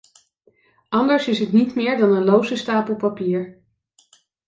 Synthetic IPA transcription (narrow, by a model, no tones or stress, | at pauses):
ʔɑndəɹsɪsɦətnitmɪːɹdɑnənlowzəstaːpəl̩ˠpapiːɹ